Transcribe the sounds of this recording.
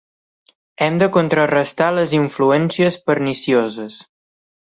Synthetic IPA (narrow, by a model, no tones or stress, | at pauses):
ɛmd̪əkont̪ɾərəst̪aləziɱfluɛnsiəspəɾnisiozəs